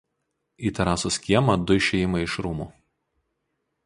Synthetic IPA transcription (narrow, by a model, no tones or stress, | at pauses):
iːt̪ɐɾɑːsʊsʲkʲiɛmɐd̪ʊɪʃʲɛjɪmɐɪɪʃɾuːmuː